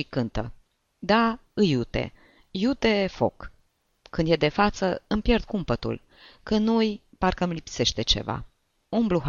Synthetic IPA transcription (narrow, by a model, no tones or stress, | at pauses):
ikɨnt̪ə̰ | d̪aɨjut̪e̞̰ | jut̪e̞fo̞̰kː | ɨnd̪jed̪e̞fat̪səɨmpjerd̪̚kumpət̪ṵl | kɨnnojparkəmlipse̞ʃt̪e̞t͡ʃe̞̰va̰ | umbluɦ